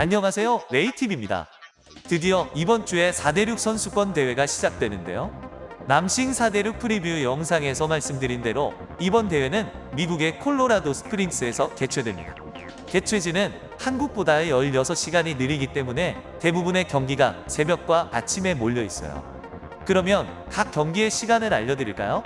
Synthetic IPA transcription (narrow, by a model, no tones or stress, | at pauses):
aɲːʌŋɦasʰe̞joɾe̞itʰibimɲida̰ | tɯdiʌibʌnt͡ɕ͈ue̞sʰade̞ɾjuk̚s͈ʰʌnsʰuk͈wʌnte̞we̞ɡaɕʰid͡ʑak̚t͈we̞nɯnde̞̰jonamɕʰiŋsʰade̞ɾuk̚pʰɯɾibiujʌŋsʰaŋe̞sʰʌmaɭs͈ɯmdɯɾinde̞ɾo | ibʌnte̞we̞nɯn | miɡuɡe̞kʰoɭːoɾadosʰɯ̥pʰɯɾins͈ʰɯe̞sʰʌke̞t͡ɕʰwe̞dwemɲḭda̰ | ke̞t͡ɕʰwe̞d͡ʑinɯn | hanɡuk̚p͈odaejʌʎːʌsʰʌɕʰiɡaɲinɯɾiɡit͈e̞mune̞te̞bubune̞kjʌŋɡiɡasʰe̞bjʌk̚k͈waat͡ɕʰime̞moʎːʌis͈ʌ̰jo̰ | kɯɾʌmjʌnkak͈jʌŋɡie̞ɕʰiɡanɯɾaʎːʌdɯɾiɭk͈a̰jo